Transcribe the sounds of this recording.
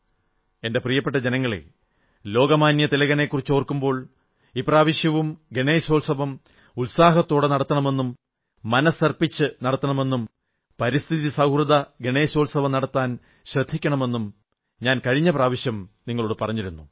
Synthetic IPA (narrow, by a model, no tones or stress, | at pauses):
e̞nde̞prijɐpːeʈːɐd͡ʑe̞nɐŋːɐɭḛ | lo̞ːɡɐmaːnjɐt̪ilɐɣɐnekːurit͡ɕːoːrkːumbo̞ːɭ | iːpraːʋiɕjɐʋumɡeɳeːso̞ːlsɐbɐm | ulsaːɦɐt̪ːo̞ːɽenɐɽɐt̪ːɐɳɐme̞nːumː | ɐnɐsɐrpit͡ɕːɨnɐɽɐt̪ːɐɳɐme̞nːum | pɐɾist̪ʰiðisɐwhrɨðɐɡeɳeːsoːlsɐʋɐmnɐɽɐt̪ːaːn | ɕrɐd̪ʱːikʲːɐɳɐme̞nːum | ɲaːnkɐɻiɲːɐpraːʋiɕjɐmniŋːɐɭoːɽɨpɐrɐɲːiɾunːu